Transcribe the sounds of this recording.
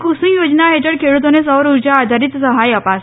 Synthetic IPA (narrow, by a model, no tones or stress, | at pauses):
kʰusĩjod͡ʑnaɦeʈəɽkʰeɽut̪̬onesəʋɾuɾd͡ʑaːd̪ʱaɾit̪səɦajəpas